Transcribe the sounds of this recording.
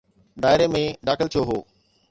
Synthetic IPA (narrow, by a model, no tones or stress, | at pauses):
ɖaːɪɾemẽɖaːkɪlt̪ʰoːɦoː